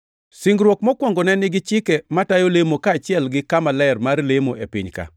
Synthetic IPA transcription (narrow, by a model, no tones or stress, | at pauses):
siŋɡɾwɔkmɔkwɔŋɡɔnɛnɪɡɪt͡ʃɪkɛmatajolemokaːt͡ʃɪɛlɡɪkamalɛrmarlemoʔepḭɲka̰